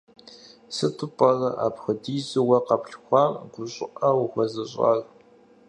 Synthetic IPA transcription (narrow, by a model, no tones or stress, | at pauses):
sɨtʰʊpʼɐɮɐʔa̰ːpxədiːzɨwɐqɐpɬxʷɑmɡʷʊɕʼɪ̰ʔɐwʊxʷɐzɐɕʼɑ̰ːɮ